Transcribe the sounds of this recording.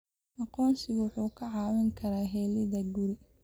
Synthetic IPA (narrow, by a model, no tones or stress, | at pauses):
ʔɑqɔːnsɪwʊħuːkʰɐʕɑːwɐŋkʰɐɾaːɦɛːlɪðɐɡʊɾɪ